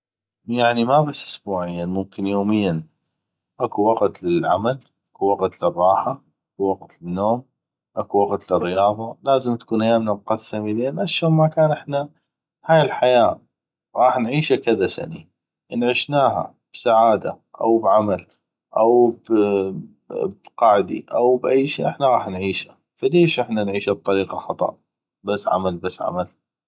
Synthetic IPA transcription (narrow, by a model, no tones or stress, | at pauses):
jaʕnimabasːʔʊsbuːʕɪjːanmʊmkɪnjoːmɪjːan | ʔakuwaɡt̪lɪlʕamal | ʔḁkuwaɡt̪lɪrˤːɑːħaʔakuwaɡt̪lɪnːoːm | ʔakuwaqt̪lɪrːɪjɑːðˤɑlaːzɪmt̪ḁkuːnʔajaːmnamqasːamileːnʔaʃːoːmmakaːnʔɪħna | haːjɪlħajaː | ɣɑːħnʕiːʃakɪðasa̰ni | ʔnʕɪʃnaːɦa̰ | b̥saʕaːd̪a̰ | ʔa̰wbʕamal | ʔawb | bqɑːʕd̪ḭʔawbʔajʃiːʔɪħnaɣɑːħnʕiːʃḁ | faleːʃʔɪħnanʕiːʃab̚t̪ˤɑɾiːqɑxɑt̪ˤɑ̰ʔ | basːʕa̰malbasːʕa̰mal